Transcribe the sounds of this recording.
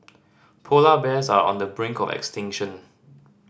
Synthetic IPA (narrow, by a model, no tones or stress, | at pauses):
pʰolabɛsaɹɔ̰̃ndəbɹɪ̃ŋkɔvɛ̰kstɪ̃ŋʃə̃n